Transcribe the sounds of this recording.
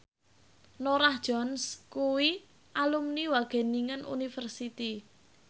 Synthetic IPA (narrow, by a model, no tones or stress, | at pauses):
noɾahd̥ʒ̥ɔnskuwi | ʔalumniwaɡ̥e̤niŋənʔṵnifərsit̪i